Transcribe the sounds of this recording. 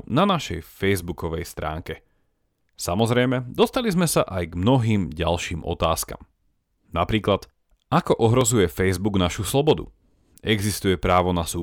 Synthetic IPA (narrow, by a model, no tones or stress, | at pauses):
nanaʃɛ̰jfɛjzbukɔʋɛjst̪ɾa̰ːŋkɛ | samɔzɾɛjmɛd̪ɔst̪alizmɛsaʔajɡmnɔɦiːmɟalʃiːmʔɔ̰t̪aːska̰m | napɾiːklat̪ | akɔʔɔɦɾɔzujɛfɛjzbuɡnaʃuslɔbɔd̪ṵ | ɛɡzist̪ujɛpɾaːʋɔnasuː